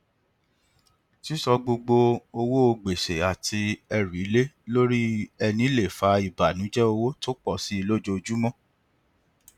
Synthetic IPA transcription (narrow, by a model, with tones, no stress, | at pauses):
ti˦sɔ˧ɡ͡bo˧ɡ͡bo˧o˧wo˦o˧ɡ͡be˨ʃe˨a˨ti˧ɛ˧ɾi˨˦le˦lo˦ɾi˦ɛ˧nĩ˨˦le˦˨fa˨˦i˨ba˨nũ˨˦d͡ʒɛ˦o˧wo˦to˦k͡pɔ˦˨si˨˦i˧lo˦d͡ʒo˦˧d͡ʒu˦mɔ̃˦